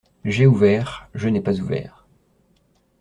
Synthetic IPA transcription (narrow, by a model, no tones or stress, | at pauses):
ʒeuvɛːʁʒənɛpazuvɛ̰ːʁ